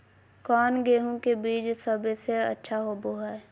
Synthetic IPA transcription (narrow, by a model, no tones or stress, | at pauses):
kɔːnɡeːɦõkebiːd͡ʒsəbseɐ̰tːʃʰaɦoboɦaːɛ